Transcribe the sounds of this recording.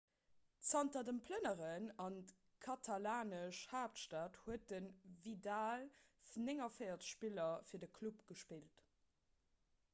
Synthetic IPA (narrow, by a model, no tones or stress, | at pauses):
t͡sɑntɐdəmpʰlənəʁənɑnt | kʰɑtʰɑlaːnəʃhaːptʃtaːthuət̚ənvidaːlfnɪŋɐfeɪɐt͡sə̥ʃpilɐfiːɐdəkʰlupɡ̥əʃpilt